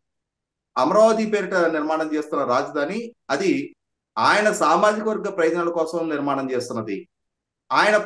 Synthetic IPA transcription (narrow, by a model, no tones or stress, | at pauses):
ɐmɐɾaːʋɐd̪ipeːɾiʈɐniɾmaːɳɐmt͡ʃe̞ːst̪unːɐɾaːd͡ʒɐd̪ʱaːniɐd̪i | aːjɐnɐsaːmaːd͡ʒikɐʋɐɾɡːɐpɾɐjt̪ɐnɐlɐkɔːsɐmniɾmaːɳɐmt͡ʃeːst̪unːɐd̪i | aːjɐnɐ